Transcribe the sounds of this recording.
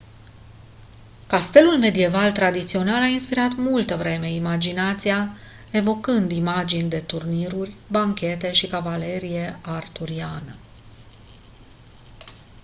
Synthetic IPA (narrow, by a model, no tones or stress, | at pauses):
kast̪e̞lulme̞d̪ie̞valt̪ɾad̪it̪sio̞nalainspiɾat̪mult̪əvɾe̞me̞imad͡ʒinat̪sija | e̞vo̞kɨnd̪imad͡ʒinʲd̪e̞t̪urniɾurʲbaŋkʲe̞t̪e̞ʃikavale̞ɾije̞art̪uɾianə